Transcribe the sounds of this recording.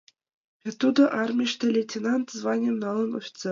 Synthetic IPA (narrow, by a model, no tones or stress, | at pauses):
vʲet̪ʲːud̪ɤ̆ʔɑrmʲiɕt̪ʲɘ̆lʲetʲenɑnt̪zvɑnʲemnɑlˠɤ̆nofʲi̥t̪se